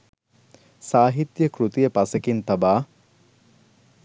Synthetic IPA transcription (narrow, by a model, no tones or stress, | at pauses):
saːɦit̪jəkɾut̪ijəpasekint̪abaː